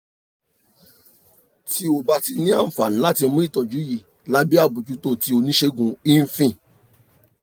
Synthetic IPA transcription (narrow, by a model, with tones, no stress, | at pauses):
tʰi˧o˧ba˧ti˧nĩ˦a˦˨m̩˨fa˨nĩ˨˦la˦ti˧˦mũ˦i˦˨tɔ˨d͡ʒu˨˦ji˨ | la˨˦bi˦a˦˨bũ˨d͡ʒu˨˦to˦˨ti˧˦o˧nĩ˦ʃe˧˦ɡũ˧i˦n̩˦fĩ˦˨